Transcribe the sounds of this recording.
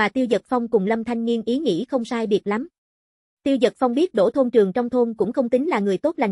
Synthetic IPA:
aː˨˩t̪i˧wzə˨˩t̚fa˧wŋ͡mkʊ˨˩ŋ͡mlə˧mt̪ʰa˧jŋ̟ŋi˧ənʔi˨˦ŋḭ˧˥xə˧wŋ͡msaː˧jɓi˨˩ət̚la˨˦m | t̪i˧əwzə˨˩t̚fa˧wŋ͡mɓi˦˥ət̚ɗo̰˧˥˩t̪ʰo˧nt͡ɕɨ˨˩əŋt͡ɕɔ˧wŋ͡mt̪ʰo˧nkʊ̰˧˥ŋ͡mxə˧wŋ͡mt̪ï˨˦ŋ̟laː˨˩ŋɨ˨˩əjt̪o˦˥t̚la˨˩

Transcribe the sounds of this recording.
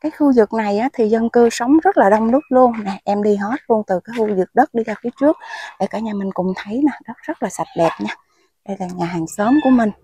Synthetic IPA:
kaː˨˦jxu˧zɨ˨˩k̚na˨˩jʔaː˨˦t̪ʰi˨˩zə˧nkɨ˧sə˨˦wŋ͡mzə˦˥t̚laː˨˩ɗə˧wŋ͡mnɨ˦˥ət̚lu˧ənna˨˩ʔɛ˧mɗi˧ɦo˦˥t̚lu˧ənt̪ɨ˨˩kaː˨˦jxu˧zɨ˨˩k̚ɗə˦˥t̚ɗi˧zaː˧fi˨˦ət͡ɕɨ˦˥ək̚ɗe˧˩kaː˧˩˦ɲaː˨˩mï˨˩ŋ̟kʊ˨˩ŋ͡mt̪ʰə˨˦jnaː˨˩ɗɔ˨˦˥zə˦˥t̚laː˨˩sa˨˩t̚ɗɛ˨˩p̚ɲaː˧ | ɗə˧jlaː˨˩ɲaː˨˩ɦaː˨˩ŋsəː˨˦mku˧˩əmï˨˩ŋ̟

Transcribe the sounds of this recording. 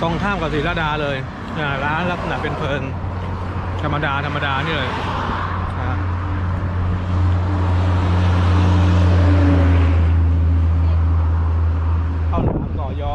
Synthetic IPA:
t̪o˧ŋk̪ʰaː˥˩mka˨˩siː˨˦laː˦˥˩daː˧lɤː˧j | ʔaː˧˩ɾaː˦˥nla˦˥p̚ʰnaː˨˩pe˧npʰɤː˧n | t̪ʰa˧mːa˧daː˧t̪ʰa˧mːa˧daː˧niː˥˩lɤː˧˩ | a˦˧˥ | k̪ʰa˥˩wnaː˩˦msɔː˨˩jɔː˧˩

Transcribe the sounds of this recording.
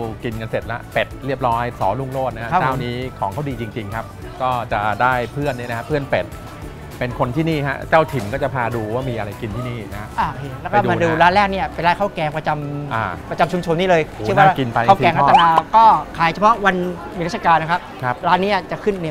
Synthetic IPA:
ki˧nka˧nse˨˩t̪̚la̰˦˥pe˨˩t̪̚ɾi˥˩əp̚ɾɔː˦˥jsɔː˩˦lu˥˩ŋloː˥˩t̪̚na˦˧a˦˧˦t͡ɕaː˥˩wniː˦˥kʰɔː˩˦kʰa˥˩diː˧t͡ɕi˧ŋt͡ɕi˧ŋkʰa˦˥p̚ | kɔː˥˩t͡ɕa˨˩daː˥˩jpʰɯ˥˩ənːi˥˩na˦˥a˦˥pʰɯ˥˩ənpe˨˩t̪̚ | pe˧nkʰo˧nt̪ʰiː˥˩niː˥˩ɦa̰˦˥t͡ɕaː˥˩wt̪ʰi˩˦nkɔː˥˩t͡ɕa˨˩pʰaː˧duː˧waː˥˩miː˧ʔa˧ɾa˧jki˧nt̪ʰiː˥˩niː˥˩na˦˥kʰa˦˧˥ʔaː˧˩eː˧˩lɛː˦˥wkɔː˧˥˩maː˧duː˦˧ɾaː˦˥nlɛː˥˩k̚ni˥˩ɐpe˧nla˦˥˩kʰa˥˩wkɛː˧ŋpɾa˧t͡ɕa˧mʔa̰ː˧˩pɾa˧t͡ɕa˧mt͡ɕʰu˧mt͡ɕʰo˧nːiː˥˩lɤː˧jɯ˥˩˨nwaː˥˩˥ki˧npa˧jʰa˥˩t̪ɛː˧ŋka˥˩˧ɛː˨˩maː˧kɔː˥˩kʰaː˨˩˦jt͡ɕʰa˧pʰɔ˦˥ʔwa˧n | miː˧ɾa˦˥t̪sʰa˧kaː˧nːa˦˥kʰa˦˥p̚kʰa˦˧p̚ɾaː˦˥nːiː˦˥˩t͡ɕa˨˩kʰɯ˥˩nːi˦˥˩

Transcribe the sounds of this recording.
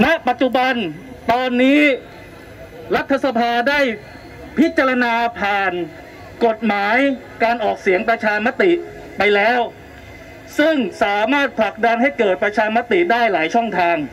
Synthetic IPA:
na˦˥ʔpa˨˩t̪̚t͡ɕu˨˩ba˧nt̪ɔː˧nːiː˦˥ | ɾa˦˥t̪ʰːa˧sa˧pʰaː˧daː˥˩j | pʰi˦˥t̪̚t͡ɕːa˧ɾa˧naː˧pʰaː˨˩n | ko˨˩t̪̚maː˩˦j | kaː˧nʔɔː˨˩k̚si˩˦əŋpɾa˧t͡ɕʰaː˧ma˦˥t̪i˨˩ʔ | pa˧jlɛː˦˥w | sɯ˥˩ŋsaː˩˦maː˥˩t̪̚pʰla˨˩k̚da˧nɦa˥˩jkɤː˨˩t̪̚pɾa˧t͡ɕʰaː˧ma˦˥t̪i˨˩daː˥˩jlaː˩˦jt͡ɕʰɔ˥˩ŋt̪ʰaː˧ŋ

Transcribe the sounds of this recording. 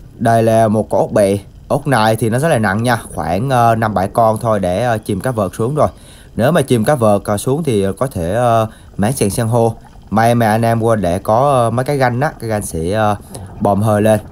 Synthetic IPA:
ɗə˧jlaː˨˩mo˨˩t̚kɔ˨˦ʔo˦˥k͡p̚ɓḭ˧˨ | ʔo˦˥k͡p̚naː˧˩jt̪ʰi˨˩nɔ˨˦zə˦˥t̚laː˨˩na̰˧˨ŋɲaː˧xwa̰ː˧˩nʔəː˧na˧mɓa˧˩jkɔ˧nt̪ʰo˧jɗe˧˩əː˧t͡ɕi˨˩mkaː˨˦˥vəː˨˩t̚k̚su˨˦əŋzo˨˩j | ne˨˦wmaː˨˩t͡ɕi˨˩mkaː˨˦˥vəː˨˩t̚ːsu˨˦əŋt̪ʰi˨˩˨kɔ˨˦t̪ʰe˧˩əː˧ | ma̰ː˧˥nsɛ̰ː˧˩nsɛ˧ŋɦo˧ | ma˧jmɛ̰˨˩ʔa˧nʔɛ˧mkwə˧nɗe˧˩kɔ˨˦˧mə˨˦jkaː˨˦jɣa˧jŋ̟ʔaː˨˦kaː˨˦jɣa˧jŋ̟sḭ˧˩ʔəː˧ɓɔ˨˩mɦəː˧˩jle˧n

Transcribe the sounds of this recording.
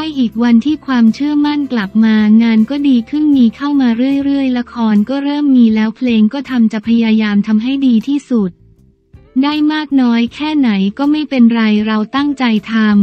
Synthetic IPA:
a˥˩jʔiː˨˩k̚wa˧nt̪ʰiː˥˩kʰwaː˧mt͡ɕʰɯ˥˩əma˥˩nkla˨˩p̚maː˧ŋaː˧nkɔː˥˩diː˧kʰɯ˥˩nmiː˧kʰa˥˩wmaː˧ɾɯ˥˩əjɾɯ˥˩əjla˦˥kʰɔː˧nkɔː˥˩ɾɤː˥˩mːiː˧lɛː˦˥wpʰleː˧ŋkɔː˥˩t̪ʰa˧mt͡ɕa˨˩pʰa˧jaː˧jaː˧mt̪ʰa˧mɦa˥˩jdiː˧t̪ʰiː˥˩su˨˩t̪̚ | daː˥˩jmaː˥˩k̚nɔː˦˥jkʰɛː˥˩na˩˦jkɔː˥˩ma˥˩jpe˧nɾa˧jɾa˧wt̪a˥˩ŋt͡ɕa˧jt̪ʰa˧m

